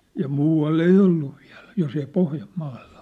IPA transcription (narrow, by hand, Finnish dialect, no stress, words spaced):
jɑ muːɑlː ei olːu ʋiæ̝l jos ei pohjɑmːɑːll̥ɑ̥